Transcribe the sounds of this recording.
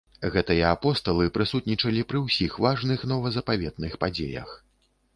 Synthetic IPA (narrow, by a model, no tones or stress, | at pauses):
ɣɛt̪ɨjɐapɔst̪ɐlˠɨpɾɨsut̪̚nʲit͡ʂɐlʲipɾɨwsʲixvaʐnɨxnɔvɐzɐpavʲɛd̪̚nɨxpad͡zʲḛjɐ̰x